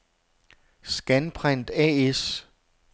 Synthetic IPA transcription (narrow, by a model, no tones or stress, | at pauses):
sɡ̥ænpʰʁan̰d̥ɛ̰ːes